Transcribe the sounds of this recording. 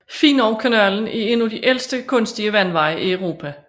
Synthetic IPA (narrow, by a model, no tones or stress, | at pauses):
fḭːnɒʊkʰænæln̩ie̝nud̥iʔel̰sd̥əkʰɔ̽nsd̥iəʋæn̰ʋɑ̈ɪ̰ʔiɒʊʁo̝̰ːpʰæ